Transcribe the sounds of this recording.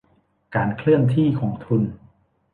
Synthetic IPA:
kaː˧nkʰlɯ˥˩ənt̪ʰiː˥˩kʰɔː˩˦ŋt̪ʰu˧n

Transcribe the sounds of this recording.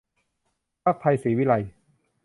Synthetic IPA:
pʰaː˥˩k̚pʰa˧jsiː˩˦wi˦˥˩la˧j

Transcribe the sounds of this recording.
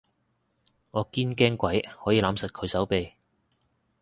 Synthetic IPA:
ŋɔː˨˧kiː˥nkɛː˥ŋkʷɐ˨˥jhɔː˨˥jiː˨˧laː˨˥msɐ˨t̚kʰɵ˨˧ɥsɐ˨˥wpe˨˧j

